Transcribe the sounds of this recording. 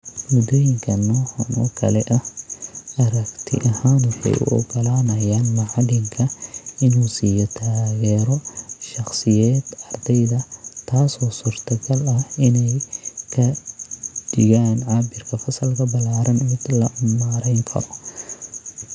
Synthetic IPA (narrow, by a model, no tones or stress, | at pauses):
mʊd̪ɔjɪŋkʰɐnɔːhɐnʔɔ̰kʰɐ̰lɛʔɐ | ʔɐɾɐkt̪ʰɪ̰ʔɐhaːnwɑħɑ̰jʔʊ̰ʔɔ̰ɡɔlaːnɐjaːnmɑʕɑlɪŋkʰɐɪnuːsiːjɔt̪ʰaːɣɛːɾɔʃɑχsɪjɛːd̪̥ɑrd̪ɛjðɐt̪ʰaːsɔːsuːrt̪ʰɐɡɐlɐhɪnɛjkʰɐ | d̥ɪɣaːnʕɑːbɪrkʰɐfɐsɐlkʰɐbɐlaːɾɐnmɪd̪lɐmaːɾɛjŋkʰɐ̰ɾɔ